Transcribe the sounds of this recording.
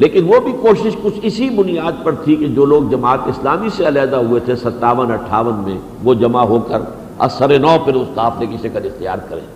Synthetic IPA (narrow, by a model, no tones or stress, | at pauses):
leːkɪnʋobʱikoːʃɪʃkʊt͡ʃʰɪsibʊnijaːd̪̚pɐɾt̪ʰiked͡ʒoːloːɡ̚d͡ʒɐmaːt̪ɪslaːmiseɐlɛːd̪aɦuet̪ʰesɐt̪ːaːʋənɐʈʰːaːʋənmḛ̃ | ʋod͡ʒɐmaɦoːkəɾ | ɐ̰sɐɾenɔːpʰɪɾʊst̪aːpʰleːkɪsekɐɾɪxt̪ija̰ːɾkɐɾḛ̃ː